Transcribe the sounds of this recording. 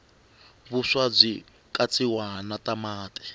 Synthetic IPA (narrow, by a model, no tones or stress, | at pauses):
βuʂwab͡ʐʷi | kʼat͡sʼiwanatamaːtʼɛ̥